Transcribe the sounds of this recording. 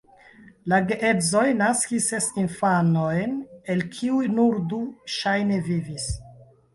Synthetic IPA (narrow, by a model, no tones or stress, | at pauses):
laɡeʔezo̞jnaskisesinfanojne̞lkʰiujnuɾduʃajne̞vivis